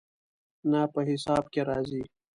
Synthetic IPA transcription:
napəɦɪsɑːb̚keɾaːzi

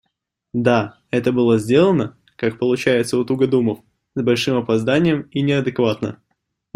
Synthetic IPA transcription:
d̪a | ɛt̪əbɨlˠəzʲdʲe̞lˠənə | kak̚pəlˠʊt͡ɕæjɪt̪səʊt̪uɡəd̪uməf | zbɐlʲʂɨmɐpɐzd̪anʲɪjəminʲɪɐd̪ɨkvat̪nə̰

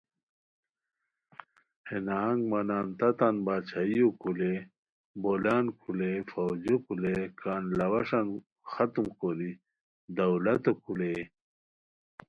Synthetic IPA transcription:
henaŋɡmanaːnt̪ɐt̪anbaːt͡ɕʰajjokule | bolaːnkʰulefawd͡ʑokulekaːnlɐwɐʂan | xat̪umkoli | d̪ɐwlɐt̪okʰule

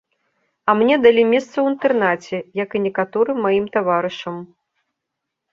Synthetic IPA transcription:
ɐmnʲɛd̪alʲimʲɛst̪sɐwint̪ɛrnat͡sʲɛjɐkɨnʲɛkat̪ɔɾɨmːajimt̪avaɾɨʂɐm

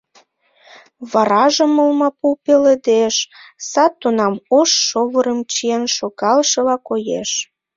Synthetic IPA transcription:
βɑɾɑʒəməlmɑpupeled̪eʃsɑt̪ːunɑmoʃːoβəɾəmt͡ɕienʃokɑlʃəlɑkojeʃ

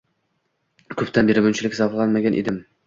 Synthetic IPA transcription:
kʰɵpt̪ʰanbeɾɪmʊnt͡ʃʰɪlɪkʲzɒflˠanmaɡʲanʔed̪ɪm

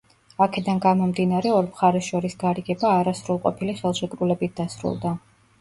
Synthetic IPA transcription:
akʰɛd̪anɡamɔmd̪inaɾɛɔɾmχaɾɛsʃɔɾisɡaɾiɡɛbaːɾasɾulˠqʼɔ̰pʰiliχɛlˠʃɛkʼɾulɛbit̪̚ʰd̪asɾṵlˠd̪a

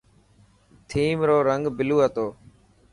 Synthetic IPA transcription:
t̪ʰiːmɾoːɾəŋɡbɪluːɦət̪oː

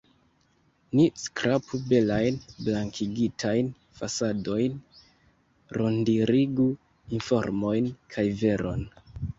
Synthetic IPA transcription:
niskɾʔapube̞lajnblaŋkʰiɡitʰajn | fasado̞jn | ɾʔo̞ndiɾiɡu | info̞ɾmo̞jnkʰajve̞ɾo̞n

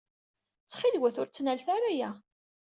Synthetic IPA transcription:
t͡sːχilwæθʊɾt͡sːnælθaɾajæ

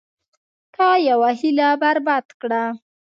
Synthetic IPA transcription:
t̪ɑjawaɦilabaɾbɑt̪kɽa

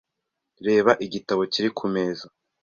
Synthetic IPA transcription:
ɾe̞ːβaʔiɟitaβo̞ciɾikʰume̞ːza

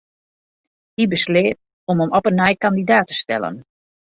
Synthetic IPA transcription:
hibəslɪːt̚ | ɔməmɔpənːɛjkandidaːtə̥stɛ̰lˠə̰n

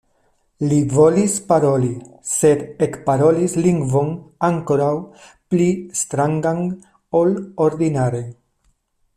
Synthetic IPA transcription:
livo̞lispaɾo̞li | se̞d̪ekpaɾo̞lisliŋɡvo̞naŋko̞ɾaw | plist̪ɾaŋɡan | o̞lo̞ɾd̪inaɾe̞

